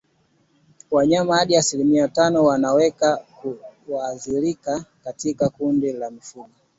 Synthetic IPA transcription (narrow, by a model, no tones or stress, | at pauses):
waɲamaaɗiasilimiatanɔwanawɛkakuwaːziɾikakatikakundilamifuɠɔ